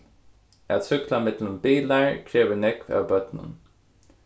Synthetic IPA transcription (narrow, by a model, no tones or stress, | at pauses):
æt̪sʏklamɪt̪lənbiːlaɹkʰɹeːʋəɹnɛkʋa̰ːwbœt̪nə̰n